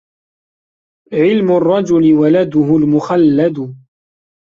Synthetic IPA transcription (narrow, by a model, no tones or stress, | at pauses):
ʕɪlmʊrˤːɑd͡ʒʊlɪwalad̪ʊhʊlmʊxalːad̪ʊ